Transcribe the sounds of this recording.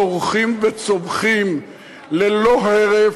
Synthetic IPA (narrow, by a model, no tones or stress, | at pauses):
oʁχimvet͡somχim | leloɦeʁe